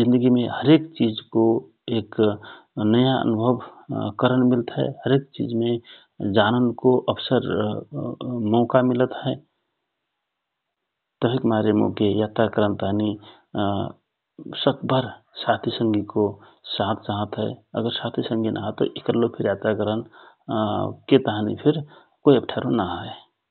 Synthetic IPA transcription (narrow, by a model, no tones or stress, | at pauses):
d͡ʒɪ̃nd̪əɡimẽhəɾeːkt͡ʃid͡ʒko | eːk | nəjaə̰nʊbʱəbkəɾəɳmɪlt̪ɦɛ̰həɾeːk̚t͡ʃḭːd͡ʒmẽ | d͡ʒaːnənkoʔəbsəɾ | mɔːkamɪlət̪ɦɛ | t̪əbʱikmaɾəmõ̰kejaːt̪ɾakəɾənt̪əɦni | səkbʱəɾsat̪ʰisəŋɡiko | saːt̪̚t͡ʃaɦət̪ɦɛ̰ə̰ɡəɾsat̪ʰisə̃ŋɡʱinʔa̰ɦət̪o̰ʔikəɾlopʰɪɾjaːt̪ɾakəɾən | ket̪əɦnḭpʰɪɾ | koiəp̚ʈʰaɾonaɦə